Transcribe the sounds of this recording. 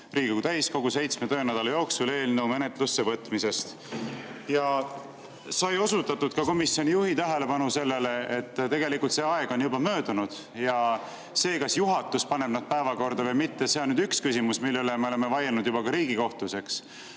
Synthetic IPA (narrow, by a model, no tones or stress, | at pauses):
rɾiːɡoɡut̪æjsko̞ɡ̥use̞jt̪smet̪øːnæd̪ɑlɑjo̞ːksule̞ːlnəwme̞ne̞t̪lusːevɤt̪ːˑmise̞st̪ | jɑ | sɑjo̞sut̪ːˑɑt̪ːud̪̥kɑko̞misjo̞nijuhit̪æɦe̞le̞pɑnuse̞lːe̞le̞et̪ːt̪e̞ɡe̞likult̪se̞ːɑe̞ɡ̥o̞njubɑmø̞ːd̪̥unud̪̥ | jɑ | se̞ːkɑsjuɦɑt̪ːˑuspɑne̞bnɑd̪̥̚pæevɑko̞rd̪ɑvɤjmit̪ːese̞onːyːd̪ykskysimusmilːelemeole̞mevɑjelnud̪jubɑkɑɾiːɡ̥iko̞ht̪luse̞ks